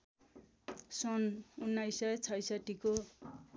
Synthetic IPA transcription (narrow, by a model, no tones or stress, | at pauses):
sʌnunːajsajt͡sʰʌjsaʈːiko